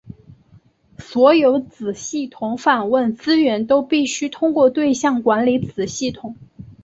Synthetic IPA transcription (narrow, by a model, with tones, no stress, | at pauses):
swɔ˧˥jo˧˥ʊt͡sɹ̩˨˩ɕi˥˩t̪ʰʊ˧˥ŋfa˨˩nwə˥˩nt͡sɹ̩˥ɥɛ˧˥nt̪o˥ʊpi˥˩ɕy˥t̪ʰʊ˥ŋkwɔ˥˧t̪we˥˧ɪɕjɑ˥˩ŋkwa˧˥nli˧˥t͡sɹ̩˨˩ɕi˥˩t̪ʰʊ˨˩˦ŋ